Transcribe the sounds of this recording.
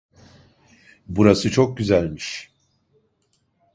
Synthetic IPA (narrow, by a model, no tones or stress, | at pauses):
buɾasɯt͡ʃʰo̞k̚ɟyzælʲmiʃ